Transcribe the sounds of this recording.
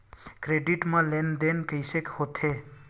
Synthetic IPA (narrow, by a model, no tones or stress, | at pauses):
kɾeɖiʈmʌlend̪enkəjsekhot̪ʰe